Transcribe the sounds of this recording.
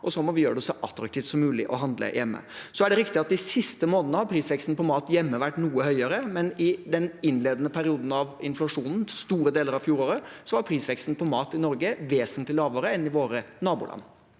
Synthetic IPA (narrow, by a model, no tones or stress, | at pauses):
ʔɔsɔmɔʋɪjøːɾəɖɛsɔʔɑt̪ːɾɑk̚t̪ʰiːft̪sɔmːʉːlɪʔɔɦɑnd̪lə̰jʔɛmːə̰sɔæɖɛɾɪkt̪ɪɑt̪̚d̪ɪsɪst̪əmoːnnəhɑɾpʰɾiːsʋɛkst̪n̩pʰɔmɑːt̪jɛmːəʋæʈːnuːəhœʏəɾəmɛnɪd̪ɛnɪnːleːd̪ənəpʰæɾɪuːd̪n̩ɑʋɪnflɑʂuːnn̩st̪uːɾəd̪eːləɾɑʋfjuːɾoːɾəsɔʋɑɾpʰɾiːsʋɛkst̪n̩pʰɔmɑːt̪ɪnɔɾɡəʋeːsənt̪lɪlɑːʋəɾəɛnɪʋoːɾənɑːbṵːlɑ̰nː